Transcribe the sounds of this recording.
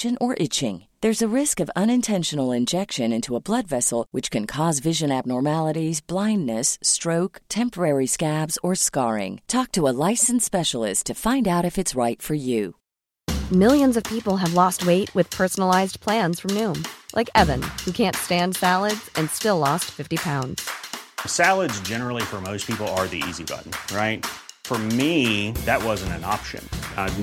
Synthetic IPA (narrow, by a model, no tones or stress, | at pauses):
ɨ̃nʔə˞ʔɪt͡ʃɪ̰̃ŋðə˞zɨɹɪskʌvʌ̃ñɨ̃ntʰɛ̃nʃɨnl̩ˠɨ̃nd͡ʒɛkʃɨ̃nɪ̃ntʰuəblʌdvɛsl̩ˠwɨt͡ʃkʰɨ̃nkʰɔzvɪʒɨ̃næb̚nɔɹmælˠəɾizblãɪ̃nːnɨstɹ̥oʊktʰɛ̃mpə˞ɛɹiskæbzə˞skɑɹɪ̰̃ŋtʰɔk̚tʰəəlaɪsn̩spɛʃl̩ˠɪ̰stʰɨfãɪ̃ndaʊɾɨfɨtsɹaɪtfə˞jʉ | mɪlˠjɨ̃nzʌv̥pʰipl̩ˠəvlɔst̚weɪʔ̚wɨð̥pʰɜ˞sn̩l̩aɪzpʰl̥æ̃nz̥fɹʌ̃mnʉ̃mlʔa̰ɪkɛvɨ̃nhʉkʰæ̃ntstæ̃ndsælˠədz̥ɨ̃nstɪlɔstfɪftipʰãʊ̃ndz̥sælˠədzd͡ʒɛnə˞l̩ˠifə˞moʊspʰipl̩ˠə˞ðḭḭzibʌ̰ʔn̩ɹaɪt̚fə˞miðɨt̚wʌzɨ̃n̩tɨ̰̃nɑ̰pʃɨ̰̃n